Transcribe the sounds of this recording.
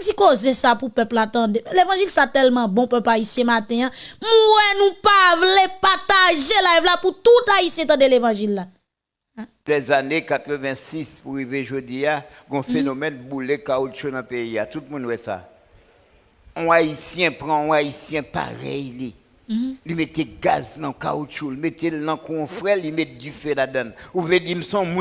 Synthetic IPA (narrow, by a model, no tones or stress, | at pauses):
d͡zikozesapupœplat̪ãdelevɑ̃ʒilsat̪ɛlmɑ̃bɔ̃pœpaisjɛ̃mat̪ɛ̃ãm̩wɛnũpavlepat̪aʒelavlaput̪ut̪aisjɛ̃t̪ãdelevɑ̃ʒilːa | lɛzanekat̪ʁəvɛ̃sispuɣiveʒod͡zia | ɡɔ̃fenomɛnbulekaot͡ʃonɐ̃peiat̪ut̪̚mũnwɛsa̰ | ɔ̃aisjɛ̃pʁãɔ̃aisjɛ̃pa̰ɣɛ̰jli | limet̪eɡa̰znãka̰ot͡ʃulimet̪elnɐ̃kũɔ̃fʁɛlimɛt̪̚difɛladãnuvledimsɔ̃mũ